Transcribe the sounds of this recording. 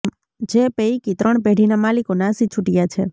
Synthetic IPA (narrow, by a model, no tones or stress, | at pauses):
d͡ʒepeikit̪ɾəɳpeɽ̤inamalikonasit͡ʃʰuʈijat͡ʃʰe